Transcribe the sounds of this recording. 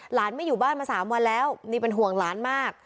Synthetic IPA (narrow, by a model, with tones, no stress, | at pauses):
laː˩˦nma˥˩juː˨˩baː˥˩nmaː˧saː˩˦mwa˧nlɛː˦˥wniː˥˩pe˧nɦu˨˩əŋlaː˩˦nmaː˥˩k̚